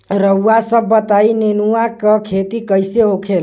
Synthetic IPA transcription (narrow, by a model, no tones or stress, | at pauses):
ɾəuːasəbːət̪ainenuakəkʰet̪ikəjseokʰel